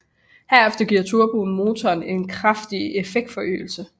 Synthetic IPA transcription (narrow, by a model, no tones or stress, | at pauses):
hæɐefd̥ɐɡ̥iɐ̰t͡sʰuɐb̥oːn̩mo̝ːt͡sʰɒːne̝nkʰʁafd̥iefeɡ̥̚d̥fɒ̽ʔø̰ːl̩sə